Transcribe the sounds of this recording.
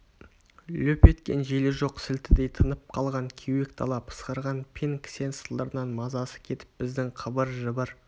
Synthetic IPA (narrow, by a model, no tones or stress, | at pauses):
lɵpe̞t̪kʲe̞̰nʒelɪʒo̞qsɪlt̪ɪd̪e̞jt̪ʰənəp̚qʰɑlˠʁɑŋkʲʰewe̞kt̪ʰɑ̰lˠɑpʰə̥sqəɾʁɑnpʲʰeŋkʲʰɪ̥se̞nsəlˠd̪əɾənɑnmɑzɑsə̥kʲʰe̞t̪ɪ̥p̚bɪzd̪ɪŋqʰəbəɾʒəbəɾ